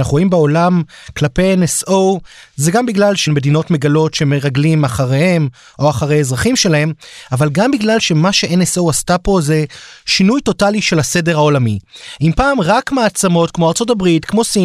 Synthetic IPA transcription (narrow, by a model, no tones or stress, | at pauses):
naχuʁo̞imbeo̞lamklape̞jenesozeɡambiɡlalʃenme̞dino̞tme̞ɡalo̞tʃe̞me̞ʁaɡlimaχaʁehe̞m | o̞aχaʁe̞jezʁaχimʃe̞lae̞mavalɡambiɡlalʃe̞maʃe̞ʔenesowastapo̞ze̞ʃinujto̞taliʃe̞lase̞deʁhao̞lamiimpaːmʁakmaːt͡samo̞tkmo̞aʁt͡so̞tabʁitkmo̞si